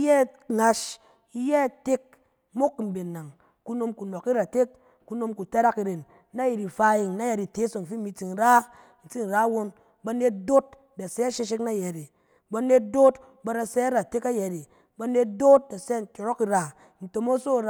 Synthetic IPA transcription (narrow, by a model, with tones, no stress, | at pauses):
jɛ˦˨ | ŋa˧ʃ | i˦jɛ˦˨te˦k̚ | mo˦kːm̩˨be˨nːa˨ŋ | ku˧˦no˧mku˨no˨ki˦ɾa˨te˦kː | u˧no˧mku˨ta˦ɾa˦ki˧ɾe˨nː | a˦ji˨ɾi˨fa˦˧˦ji˨ŋ˨na˦jɛ˧ɾi˨te˨˦so˨ŋ˨fi˦mi˧t͡si˨n̩˨ɾa˦ | n̩˨t͡si˦n̩˨ɾa˦wo˧n | ba˧ne˧t̚do˦t̚ | da˨sɛ˦a˦ʃe˧ʃ̬e˦kna˦˨jɛ˨ɾi˨ | ba˧ne˧t̚do˦t | ba˧ɾa˧sɛ˦a˦ɾa˨te˦ka˦jɛ˨ɾi˨ | ba˧ne˧t̚do˦t̚da˨sɛ˦n̩˨tʲo˨ɾo˦ki˧ɾa˨ | n̩˨to˨mo˦so˦˨ɾ